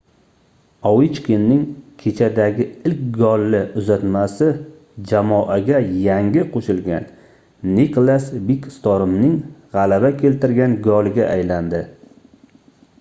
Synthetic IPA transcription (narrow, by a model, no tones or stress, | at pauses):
ɒwɪt͡ʃkʲʰɪnːɪŋkʲʰet͡ʃʰad̪aɡʲɪɪlkʲɡɒlːɪʊzat̪masɪ | d͡ʒamɒʔaɡʲajaŋɡʲɪqʰoʃɪlɡʲa̰nː | iklˠasbikʲst̪ɒɾɪmnɪŋʁɑlabakʲʰe̞lt̪ɪɾɡʲanɡɒlˠɪɡʲaʔajland̪ɪ